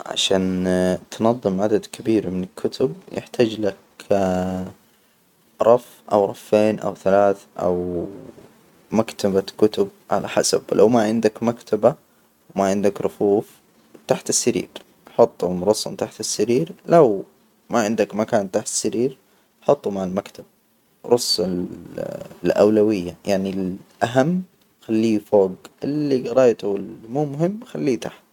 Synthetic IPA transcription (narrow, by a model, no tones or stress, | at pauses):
ʕa̰ʃaːnt̪nɑðˤːɨmʕad̪ad̪kʰabiːɾmɪnɪlkʰːʊt̪ʰʊb̚jɪ̰ħt̪ʰaːd͡ʒlak | ɾˤɑf | ʔa̰wɾˤɑfːeːnʔa̰wθalaːθʔa̰w | makt̪ʰabakʊt̪ʊb̚ʕa̰lʔa̰ħa̰sa̰blʔa̰wmaʕɪnd̪akmakt̪ʰaba | wmaʕɪnd̪akɾˤʊfuːf | t̪aħt̪ɪsːaɾḭːɾ | ʔħɑt̪ˤːalmɾˤɑsˤːɑ̰nt̪aħt̪ɪsːaɾiːɾlaw | maʕɪnd̪akmakaːnt̪aːħt̪ɪ̥sːaɾiːɾ | ħɑt̪ˤːumaʕɪlmakt̪ʰab̚ | ɾˤʊsːɪ | lʔa̰wlawɪjːajaʕnilʔaɦamː | xalːiːfoːɡʔɪlːiɡɑɾˤɑːjt̪ʊɪlmuːmʊɦɪmːxalːiːt̪aħt̪